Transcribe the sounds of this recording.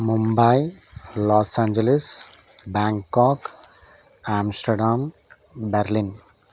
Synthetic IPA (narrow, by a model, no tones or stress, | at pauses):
mumbajlɔːsaːnd͡ʒeles | baŋkːɔːk | aːmsʈɐɖam | bɛɾlin